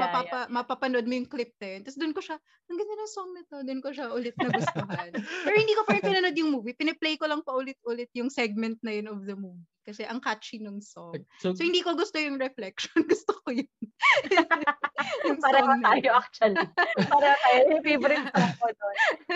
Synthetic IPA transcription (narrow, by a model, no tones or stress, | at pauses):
mɐpapɐmɐpɐpɐnoʔod̪mojʊŋklɪp̚t̪ɐjɐnt̪ɐsd̪ʊnkoʃa | ɐŋɡɐnd̪ɐnɐŋsoŋnɐt̪od̪ʊnkoʃaʔʊlɪt̪̚nɐɡʊst̪oɦɐnɛɾhɪnd̪iːkopɐnpɪnɐnod̪jʊŋmuːvipɪnɛplejkolɐŋpɐʔʊlɪt̪̚ʔʊlɪt̪̚jʊŋsɛɡ̚mɛnt̪̚nɐjonɔfd̪ɐmuːvikɐsɛʔɐŋkat͡ʃinoŋsoŋsohɪnd̪ikoɡʊst̪ojʊŋɾɛflɛk̚ʃonɡʊst̪okojon | jʊŋpaɾɐŋɐnaːjoʔɐk̚t͡ʃɐlpaɾɐot̪aːjopibɾɪaod̪on